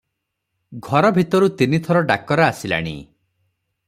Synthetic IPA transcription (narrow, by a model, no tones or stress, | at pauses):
ɡʱɔɾɔbʱit̪ɔɾut̪init̪ʰɔɾɔɖa̰kɔɾaasila̰ɽ̃ḭ